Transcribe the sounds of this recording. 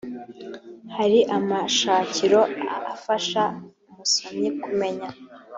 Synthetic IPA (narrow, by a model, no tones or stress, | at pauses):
haɾiʔamaʃaːciɾo̞afaʃaumusoɲikume̞ɲa